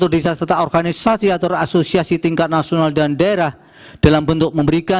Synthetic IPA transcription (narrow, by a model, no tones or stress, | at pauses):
ʊrdisast̪ət̪aɔrɡanisasiat̪ɔɾasosiasit̪iŋkat̪̚nasionaldandaeɾah | d̥alambənt̪ʊk̚məmbəɾika